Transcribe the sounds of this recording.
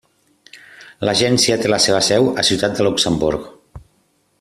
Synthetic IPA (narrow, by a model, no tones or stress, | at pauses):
ləʒɛnsiət̪eləseβ̞əsɛwəsiuwt̪at̪̚d̪əluksəmbuɾk